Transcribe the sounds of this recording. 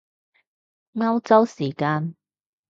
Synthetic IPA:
ŋɐ˥wt͡sɐ˥wsiː˨˩kaː˧n

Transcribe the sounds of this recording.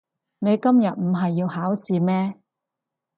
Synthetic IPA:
ne˨˧jkɐ˥mjɐ˨t̚m̩˨˩ɦɐ˨jːiː˧whaː˨˥wsiː˨˧mɛː˥

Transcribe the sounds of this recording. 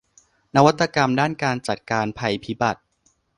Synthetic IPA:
na˦˥wa˦˥t̪ːa˧ka˧mdaː˥˩nkaː˧nt͡ɕa˨˩t̪̚kaː˧npʰa˧jpʰi˦˥ba˨˩t̪̚

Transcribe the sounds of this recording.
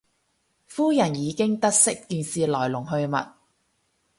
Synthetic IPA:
fuː˥jɐ˨˩njiː˨˧kɪ˥ŋt̪ɐ˥t̚sɪ˥kːiː˧nsiː˨lɔː˨˩jlʊ˨˩ŋɦɵ˧ɥmɐ̰˨t̚

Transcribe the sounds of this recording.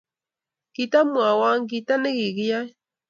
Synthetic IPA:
ki˨ta˦mwa˨wa˦ŋ˦ki˨ta˦ne˦ɣi˨ɣi˦ja˦

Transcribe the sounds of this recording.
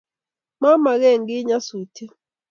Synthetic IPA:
ma˦ma˨ɣɛ˦˨ŋɡi˦ɲa˦su˨tʰi˦

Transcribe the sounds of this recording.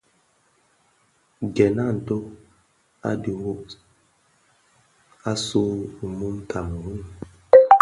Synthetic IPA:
ɡɛ˨na˦˨n̩˨to˦ | a̰˦di˨wo˦ʔ | a˦su˦u˨mu˦mtʰa˨m˨wi˦˨

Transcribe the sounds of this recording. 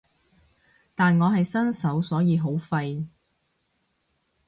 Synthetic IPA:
t̪aː˨nŋɔː˨˧ɦɐ˨jsɐ˥nsɐ˨˥wsɔː˨˥jiː˨˧ɦo˨˥wfɐ˧j

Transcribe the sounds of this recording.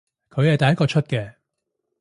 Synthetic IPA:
kʰɵ˨˧ɥjhɐ˨jt̪ɐ˨jɐ˥kɔː˧t͡ʃʰɵ˥t̚kɛː˧

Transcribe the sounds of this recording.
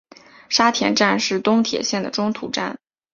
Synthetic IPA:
ʂa˥t̪ʰjɛ˧˥nʈ͡ʂa˥˧nʂɻ̩˥˩t̪ʊ˥ŋt̪ʰjɛ̰˨˩ɕjɛ˥˩nd̪ə˩ʈ͡ʂʊ˥ŋt̪ʰṵ˧˩ʈ͡ʂa̰˥˩n

